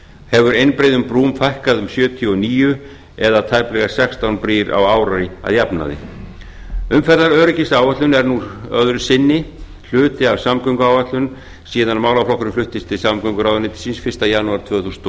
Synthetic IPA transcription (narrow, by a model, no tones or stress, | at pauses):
hɛvʏɾejnpɾeːjðʏmpɾuːmfajhkaðʏmsjœːt̪ʰiɔniːjʏ | ɛðat̪ʰajplɛɣḁsɛkst̪awnpɾiːɾa̰waːwɾaɾɪa̰ðjapna̰ðɪ̰ | ʏmfɛɾðaɾœɾʏcɪsaːwvat̪lʏnɛɾnuœ̰ðɾʏ̥sɪnːɪ | l̥ʏːt̪ɪavsamkœŋkʏaːwvat̪lʏn | siːðanmaːwlawflɔkɾʏmflʏht̪ɪst̪ʰɪlsamkʰœŋkʏɾawʏnɪt̪ɪ̥sinsfɪr̥st̪ajanuaɾt̪ʰvœːɣθusn